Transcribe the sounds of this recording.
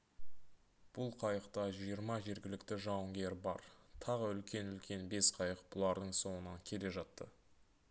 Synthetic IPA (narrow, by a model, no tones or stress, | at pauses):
b̥ʊlˠqʰɑjəqt̪ɑʒijəɾmɑʒe̞ɾɡʲɪlɪkt̪ɪʒɑwəŋɡʲe̞ɾbɑ̰ɾt̪ʰɑʁəʏlkʲe̞nʏlkʲʰe̞nbe̞sqʰɑjəq̚b̥ʊlˠɑɾd̪əɴso̞ɴənɑŋkʲʰe̞le̞ʒɑt̪ːə̰